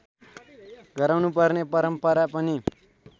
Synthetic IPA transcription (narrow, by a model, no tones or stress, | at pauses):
ɡʌɾawnupʌrnepʌɾʌmpʌɾapʌni